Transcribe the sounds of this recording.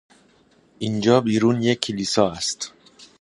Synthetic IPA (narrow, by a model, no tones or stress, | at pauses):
ʔind͡ʒɒːbiːɾuːnjekʰːeliːsɒːæst̪